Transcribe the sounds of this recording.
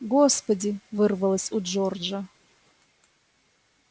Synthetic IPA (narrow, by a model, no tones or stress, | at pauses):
ɡospɐdʲivɨrvɐlˠəsʲud͡ʒord͡ʒɐ